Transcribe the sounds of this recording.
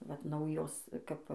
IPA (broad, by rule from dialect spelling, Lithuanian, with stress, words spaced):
ʋɐt ˈnɐʊjoːs kɐp